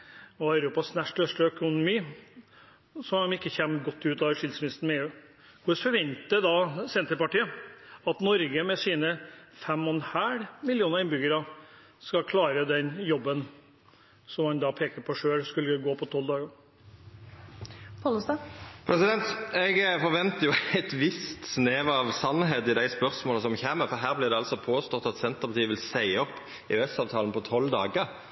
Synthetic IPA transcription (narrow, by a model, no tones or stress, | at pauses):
ɔɑʉɾuːpɑsnæʂʈœʂʈəœkʊnʊmiː | sɔmmɪkːəçɛmːəɡɔt̪ːʉːt̪ɑːʋəɾʂɪld̪smɪnɪst̪n̩mɛeːʉː | kʰʊsfɔɾʋɛnt̪əd̪ɑsɛnt̪əɾpɑʈiːəɑt̪nɔɾɡəmɛsiːnəfɛmːɔnhæːɽmɪljuːnəɾɪnbʏɡəɾɑ | skɑkʰlɑːɾəd̪ɛnjɔbːən | sɔmhɑnd̪ɑpʰeːkəɾpʰɔʂøːɭskʉlːəəɡoːpʰɔt̪ʰɔld̪ɑːɡəɾ | pʰɑlst̪ɑpʰɾɛsɪd̪ɛnt̪ɛɡfɔɾʋɛnt̪əjʊɛt̪ʋɪst̪sneːʋɑʋsɑnːɦeːd̪ɪd̪æɪspœɾsmoːləsɔmçæːməfɔɾɦæːɾblɪʁd̪ɛɑlsɔpʰoːst̪ɔt̪ːɑt̪sɛnt̪əʁpʰɑt̪iːʋɪlsæɪəɔpː | ɪʉɛsɑːʋt̪ʰɑːln̩pʰɔt̪ʰɔld̪ɑːɡəɾ